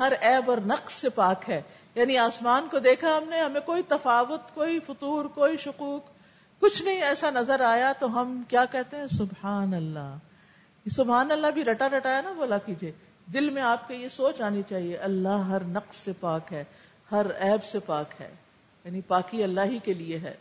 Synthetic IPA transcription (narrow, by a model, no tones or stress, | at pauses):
hɐɾɛːbɔːɾnɐqsːepaːkɦɛː | jaːniaːsmaːnkod̪eːkʰaɦɐmneɦɐmẽkoːit̪ɐfaːʋʊt̪koːifʊt̪uːɾkoːiʃʊquːq | kʊt͡ʃʰnɐɦĩɛːsanɐzəɾaːjat̪oɦɐmkjaːkɛɦt̪ẽɦɛ̃sʊbhaːnɐlːa | esʊbɦaːnɐlːabʱiɾɐʈaɾɐʈaːjanaboːlakiːd͡ʒieː | d̪ɪlmẽaːp̚kejesoːt͡ʃaːnit͡ʃaːɦieʔɐlːaɦɐɾnɐqssepaːkɦɛː | hɐɾɛːbsepaːkɦɛ̰ː | jaːnipaːkiɐlːaɦikelieɦɛ̰ː